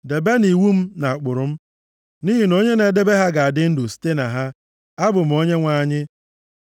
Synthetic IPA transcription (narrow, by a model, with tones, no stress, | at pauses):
de˨be˦ni˨wu˦m̩˦na˨a˨k͡pʊ˨ɾʊ˨m̩˦ | ni˦ɦi˨no˦ɲe˦ne˨de˦be˦ɦa˦ɡa˨a˨dɪ˦n̩˦do˨si̥˦te˦na˨ɦa˦ | a˦bʊ˨m̩˦o˦ɲe˦ŋʷa˦˨ɲɪ˦